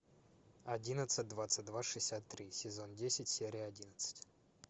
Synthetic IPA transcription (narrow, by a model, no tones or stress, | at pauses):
ɐdʲinət̪sɨt̚ʲd̪vat̪sɨt̚ʲd̪vaʂɨsʲat̪ːɾʲisʲɪzo̞ndʲesʲɪtʲsʲeɾʲɪjɐdʲinət̪sə̥tʲ